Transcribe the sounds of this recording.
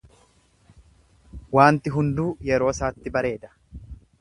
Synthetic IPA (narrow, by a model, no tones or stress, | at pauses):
waːnt̪ɪɦʊnd̪uːjɛɾo̞ːsaːt̪ːɪbɐɾe̞ːd̪ɐ̥